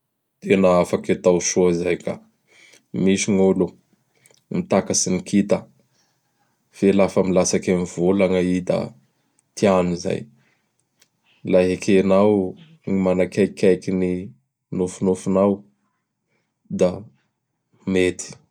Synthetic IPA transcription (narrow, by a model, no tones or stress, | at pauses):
t̪ʰenaafaket̪awʃuizajka̰ | miʃiŋolu | mit̪akasinikit̪ə | v̥elafəmilasakeniv̥ulaŋəid̪a̰ | t̪ʰianiza̰j | laɦakʰenaw | ŋimanakʲajkʲajkini | nufunufunaw | d̪a | met̪ʰi̥